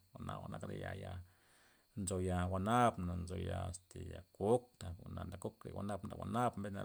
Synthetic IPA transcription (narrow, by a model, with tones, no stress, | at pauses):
wa˨na˨wa˨nʔa˦kɾḛ˨ja˨ja˧ | nzo˨ja˧wa˧na˦bna˨nzo˧˨ja˨st̪e˨ja˨ku˦k̚t̪a˨u˨na˨nd̪a˨ku˦kɾḛ˨wa˧na˦bd̪a˨wʷa˨na˦bmbe˦na˨